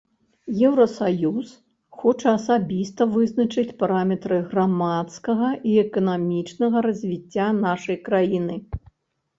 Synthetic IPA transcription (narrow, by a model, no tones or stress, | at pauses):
jɛwɾɐsajus | xɔt͡ʂɐɐsabʲist̪ɐvɨznɐt͡ʂɨt͡sʲpaɾamʲɛt̪ɾɨɣramat̪skɐɣɐʔiɛkɐnamʲit͡ʂnɐɣɐɾɐzʲvʲit͡sʲːanaʂɐjkɾajinɨ